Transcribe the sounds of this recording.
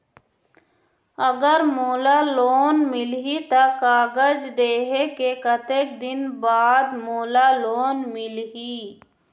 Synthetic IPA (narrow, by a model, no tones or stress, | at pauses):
əɡəɾmoːlaloːnmɪlɦit̪akaːɡəd͡ʒd̪eːɦekekət̪eːk̚d̪ɪnbaːd̪moːlaloːnmɪlɦi